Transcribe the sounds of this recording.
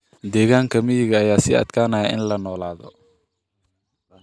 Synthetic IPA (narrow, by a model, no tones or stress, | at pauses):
d̪ɛːɣaːŋkʰɐmɪjɪɣɐːjaːsɪɐ̰d̪kʰaːnaːɐʔɪ̰nlɐnɔːlaːðɔ̰